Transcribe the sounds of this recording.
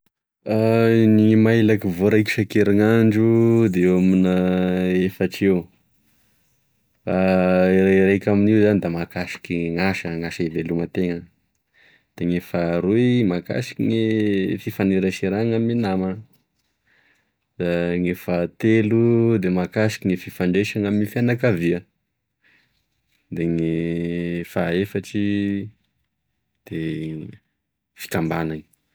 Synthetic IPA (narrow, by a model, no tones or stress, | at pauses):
aniŋimajlakivoɾaki̥ʃakeɾaŋaɳɖ͡ʐud̪eaminəefəʈ͡ʂew | farrajkʲaminiwzanid̪amakaʃi̥kʲiŋaʃəŋaʃəivelumat̪eŋə | d̪̥aŋefaɾuimaka̰ʃi̥kʲiŋefifaneɾəʃiɾaŋaminama | d̪̥aŋefat̪elud̪emakasi̥kʲiŋefifaɳɖ͡ʐeʃaŋamifianakaviə | d̪eŋe | faefaʈ͡ʂi | d̪̥e | fi̥kambanani̥